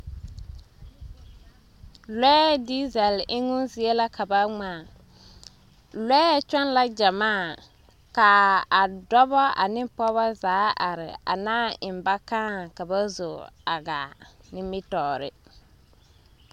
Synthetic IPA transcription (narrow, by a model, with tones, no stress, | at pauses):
lɛː˦di˦zɛ˨lɪ˦ŋʊ˦nsɪ˦ɛ˦la˦ka˨ba˦ŋ͡maː˨ | lɛː˦t͡ʃɛ˦n˦la˦d͡ʒa˨maː˦˨ | ka˨a˨dɔ˦bɔ˦a̰˨nɪ˦pɔ˦βɔ˦zaː˨˦ʔa˨ɾɪ̰˨a̰˨naː˦˨ɪ˨mba˦kã˦ka˨ba˦zo˨a˨ɡaː˨ | nɪ˦mɪ˦tɔː˨ɾɪ̰˦